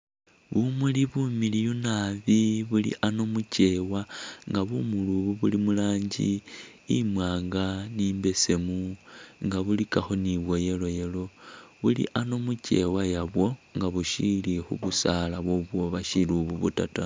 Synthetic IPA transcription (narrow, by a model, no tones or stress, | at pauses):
βumuliβumilijunaβiβulḭʔano̞muce̞waŋɡaβumuluβuβulimulaːɲɟḭ | imwaːŋɡaniːmbe̞se̞muŋɡaβulikaxoniβwo̞je̞lo̞je̞lo̞βulḭʔano̞muce̞̰wajaβwo̞ŋɡaβuʃilixṵβusalaβwoβwo̞βaʃiluβuβṵtata